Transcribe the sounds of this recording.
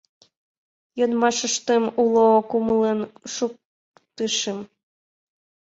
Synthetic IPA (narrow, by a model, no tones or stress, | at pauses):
jonmɑʃəʃt̪emulokuməlenʃuk̚ | t̪əʃəm